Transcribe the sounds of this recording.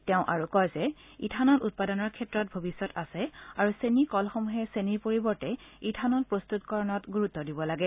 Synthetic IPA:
tɛʊ̃ʔaɹukɔjzɛ | ḭtʰanɔtut̚padɔnɔɹkʰɛtːɹɔt̚bʱobisːɔtasɛaɹusenikɔlxɔmuɦɛseniɹpoɹibɔɹtɛitʰanɔtpɹost̪utkɔɹɔnɔtɡuɹutːɔdibɔlaɡɛ

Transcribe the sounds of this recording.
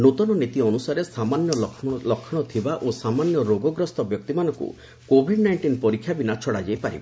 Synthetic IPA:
not̪ɔnɔnit̪iɔnusaɾesamanjɔlɔkʰːɔɽ̃ɔt̪ʰibaʔosamanjɔɾoɡɔɡɾɔst̪ɔbjɔk̚t̪imanɔŋkṵ | kobʱiɖnajɳʈinpɔɾikʰːjabinat͡ʃʰɔɽad͡ʒejpaɾḭba

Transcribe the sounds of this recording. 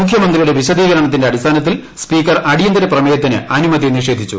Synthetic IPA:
mukʰjɐmɐnd̪rijuɽe̞ʋiɕɐd̪iːɣɐɾɐɳɐt̪ːindeɐɽist̪ʰaːnɐt̪̬ːilspiːkːɐrɐɽijɐnd̪ɐɾɐprɐmeːjɐt̪̬ːinɨ̰ɐnumɐd̪iniʂe̞ːd̪ʱit͡ɕːṵ

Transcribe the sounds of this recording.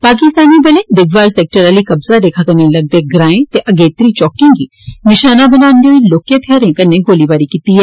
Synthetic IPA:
paːk̬ɪst̪aːnibɐlẽd̪ɪɡʋaːɾseːk̚ʈəɾaːlikɐbzad̪eːkʰakɐnelɐɡ̚d̪eɡɾãːẽt̪eʔɐɡeːt̪ɾit͡ʃɔːkĩŋɡi | nɪʃaːnabɐnaːnd̪joiloːkjət̪ʰjaːɾẽkɐnːeɡoːlibaːɾikit̪iɦɛː

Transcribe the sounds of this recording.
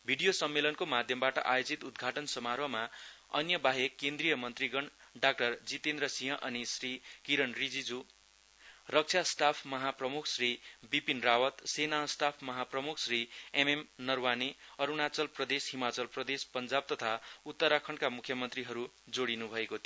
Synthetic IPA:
bʱiɽijosʌmːelʌnkomad̪ʱjʌmbaʈʌʔajod͡zit̪ud̪ɡʱaʈʌnsʌmarbʱʌmaʌ̰njʌbaɦekkːend̪rijʌmʌnt̪riɡʌɳɖak̚ʈʌrd͡zit̪end̪rʌsĩɦʌ̃ʔʌnisrikiɾʌnrid͡zid͡zu | rʌk̚t͡sʰast̪apʰmʌɦaprʌmukʰsribipinrawʌt̪senast̪apʰmʌɦaprʌmukʰsriememnʌrwaneʌɾunat͡sʌlprʌd̪esɦimat͡sʌlprʌd̪espʌnd͡zab̚t̪ʌt̪ʰaut̪ːʌɾakʰʌɳkamukʰjʌmʌnt̪riɦʌɾu | d͡zoɽinubʱʌekot̪

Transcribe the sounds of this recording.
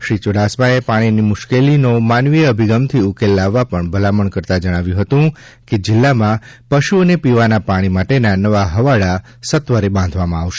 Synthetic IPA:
ʃɾit͡ʃoɽasmaepaɽ̃inimʊʃkelinomanʋieəbʱiɡəmt̪ʰiʊkelːaʋːapəɳbʱəlaməɳkəɾt̪ad͡ʒəɽ̃aʋjũɦət̪ũ | ked͡ʒɪlːamã | pəʃuənepiʋanapaɽ̃imaʈenanəʋaɦəʋaɭa | sət̪ʋaɾebãn̆d̪ʱʋamãaʋʃe̥

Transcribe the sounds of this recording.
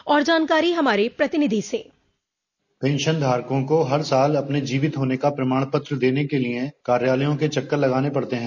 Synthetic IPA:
ɔːɾd͡ʒaːnkaːɾiɦɐmaːɾepɾɐt̪ɪnɪd̪ʱiseː | pẽːnʃənd̪ʱaːɾkõkoɦɐɾsaːlɐpned͡ʒiːʋɪt̪ɦoːnekapɾɐmaːɽ̃pət̪ɾəd̪eːnekeliekaːɾjaːləjõket͡ʃɐkːəɾlɐɡaːnepɐɽt̪eɦɛ̃ː

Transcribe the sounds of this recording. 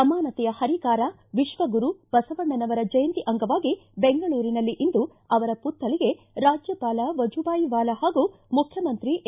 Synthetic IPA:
ɐmaːnɐt̪ɛjɐhɐɾikaːɾɐ | ʋiʃʋɐɡuɾub̥ɐsɐʋɐɳːɐnɐʋɐɾɐd͡ʒɐjɐnt̪iʔɐŋɡɐʋaːɡibeŋɡɐɭuːɾinɐlːiʔind̪u | ɐʋɐɾɐput̪ːɐɭiɡe̞ | ɾaːd͡ʒjɐpaːlɐʋɐd͡ʒubaːjiʋaːlɐhaːɡumukʰjɐmɐnt̪ɾiʔ

